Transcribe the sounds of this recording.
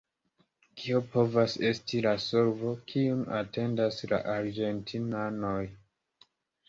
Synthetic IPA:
kʰiopo̞vase̞stilasoɾvo̞kʰiuma̰tʰe̞ndasla̰ʔaɾɡe̞ntʰinano̞j

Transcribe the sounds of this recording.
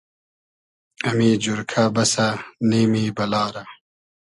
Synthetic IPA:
ɐmiːd͡ʑuɾkʰabɐsaneːmiːbɐlaːɾa

